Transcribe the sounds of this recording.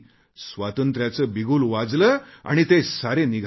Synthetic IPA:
sʋat̪ənt̪ɾjat͡səbiɡuːlʋad͡zləː | a̰ɽ̃it̪esaɾeniɡʱ

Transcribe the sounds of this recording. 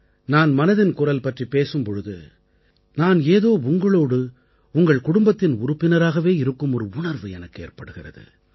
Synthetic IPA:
naːnmɐnɐðɪnkʊrɐlpɐʈripːeːsɯmpɔɻɯðɯ̰ | naːneːðoːʊŋɡɐɭoːɽɯ | ʊŋɡɐɭkʊɽʊmbɐt̪ːɪnʊɾʊpːɪnɐɾaːɣɐʋeːɪɾɯkːɯmɔɾɯʊɳɐɾʋɯɛnɐkːḛːrpɐɽɯɣɪrɐ̰ðɯ̰

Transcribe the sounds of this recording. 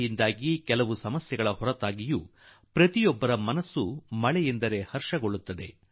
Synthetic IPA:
jind̪aːɡikɛlɐʋusɐmɐsjɛɡɐɭɐhɔɾɐt̪aːɡiju | pɾɐt̪ijɔbːɐɾɐmɐnɐsːumɐɭɛjend̪ɐɾe̞hɐɾʃɐɡo̞ɭːut̪ːɐd̪e̞

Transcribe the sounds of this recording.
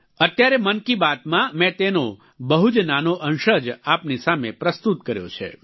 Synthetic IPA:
ət̪jaɾemənkibat̪mãmɛ̃t̪eno | bəɦud͡ʒnanoʔənʃəd͡ʒapnisamepɾəst̪ut̪kəɾjo̰t͡ʃʰḛ

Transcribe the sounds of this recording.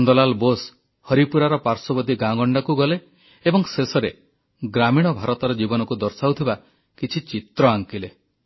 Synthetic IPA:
nd̪ɔlalbos | hɔɾipuɾaɾɔpaɾsɔbɔd̪iɡãɡɔɳɖakuɡɔleː | bɔŋsesɔɾe | ɡɾamiɽ̃ɔbʱaɾɔt̪ɔɾɔd͡ʒibɔnɔkud̪ɔɾsawt̪ʰiba | kit͡ʃʰit͡ʃit̪ɾɔaŋkile

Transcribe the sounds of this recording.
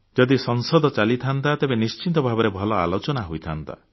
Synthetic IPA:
d͡ʒɔd̪isɔŋsɔd̪ʱɔt͡ʃalit̪ʰant̪at̪ebenist͡ʃint̪ɔbʱabɔɾebʱɔlɔa̰lot͡ʃɔnaɦojt̪ʰant̪a̰

